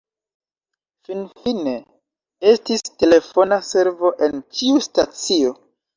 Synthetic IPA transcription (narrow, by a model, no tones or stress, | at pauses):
finfine̞ | e̞stiste̞le̞fo̞nase̞ɾvo̞ʔe̞nt͡ʃiustat͡sio̞